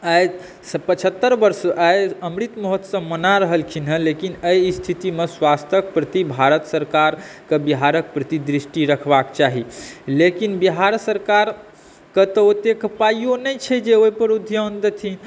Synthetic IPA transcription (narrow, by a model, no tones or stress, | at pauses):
aj | spət͡ʃʰət̪ːəɾbəɾsajəmɾit̪məɦət̪sə̃mənaɾəɦəlkʰinɦə̃lekinəjst̪ʰit̪imeswast̪ʰək̚pɾət̪ibʱaɾət̪səɾkaɾkebiɦaɾək̚pɾət̪id̪ɾisʈiɾəkʰbakt͡ʃaɦilekinbiɦaɾsəɾkaɾ | kət̪əot̪ekəpajonəjt͡ʃʰɛd͡ʒeoipəɾud̪ʱjond̪ət̪ʰin